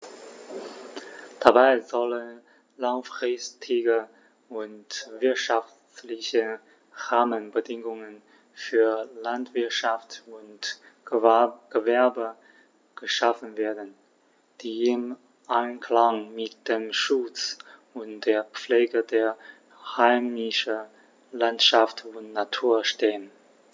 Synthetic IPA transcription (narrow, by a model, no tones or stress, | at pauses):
d̥abaɪzɔlən | laŋfʁ̥ɪstʰɪɡə | ʊntvɪɐtʃaf | t͡slɪçə | ʁaːmənbədɪŋʊŋən | fyːɐlantv̥ɪɐtʃaftʊnt | ɡ̥əvɛɐbə | ɡ̥əʃafən̩veːɐdn̩ | d̥iːɪm | ʔaɪnkʰl̥aŋmɪt̚d̥eːmʃʊt͡sʊntd̥eːɐp͡fleːɡədeːɐ | haɪmɪʃə | lantʃaftʊntnatʰuːɐʃteːən